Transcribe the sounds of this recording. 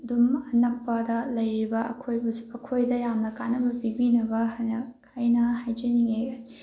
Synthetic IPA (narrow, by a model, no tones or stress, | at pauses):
dumɐnɐk̚pɐdɐlɐjɾibɐɐkʰojbɐɐkʰojdɐjamnɐkanɐbɐpibinɐbɐnkʰajnɐhajd͡ʒɐniŋe